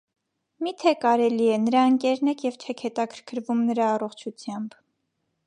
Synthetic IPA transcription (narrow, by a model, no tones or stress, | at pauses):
mit̪ʰɛkɑɾɛliɛnəɾɑəŋkɛɾnɛkʰjɛvt͡ʃʰɛkʰhɛt̪ɑkʰəɾkʰəɾvumnəɾɑːrɔχt͡ʃʰut͡sʰjɑmb